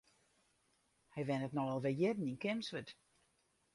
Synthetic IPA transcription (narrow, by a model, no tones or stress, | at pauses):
hɛjʋɛnətnɔɔlˠʋɪjɪdn̩inkɪmsʋət